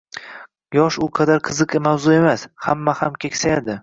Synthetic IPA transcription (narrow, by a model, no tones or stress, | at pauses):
jɒʃʊqʰɑd̪aɾqʰɨzɨqemawzʊe̞mashamːahamkʲʰekʲsajad̪ɪ